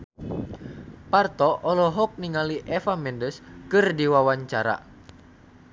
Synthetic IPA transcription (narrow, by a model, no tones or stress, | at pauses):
part̪ɔʔɔlɔɦɔk̚niŋaliʔɛfamɛndəskɨrdiwawaɲt͡ʃaɾa̰